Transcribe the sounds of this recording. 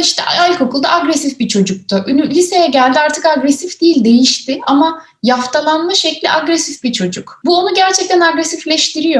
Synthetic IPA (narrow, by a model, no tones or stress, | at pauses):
iʃt̪ʰɛʔalʲkʰo̞kʰulˠd̪a̰ʔaɡɾɛsifbit͡ʃʰo̞d͡ʒuk̚t̪ʰʊʔynylʲisejɛɟælʲd̪iaɾt̪ʰɯkaɡɾɛsifd̪̥iːlʲd̪e̞jiʃt̪ʰɪama | jaft̪ʰalˠanlˠaʃeclʲḭʔaɡɾɛsifbit͡ʃʰo̞d͡ʒukbuonuɟæɾt͡ʃʰɛc̚t̪ʰænaɡɾɛsiflʲɛʃt̪ʰiɾijo̞